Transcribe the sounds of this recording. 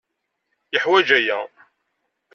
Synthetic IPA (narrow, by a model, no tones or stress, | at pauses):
jəħwæd͡ʒæjæ